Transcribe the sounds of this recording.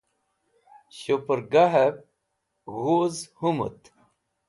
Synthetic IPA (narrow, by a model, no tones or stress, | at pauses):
ɕopəɾɡaɦəp̚ | ɣozhumə̰t̪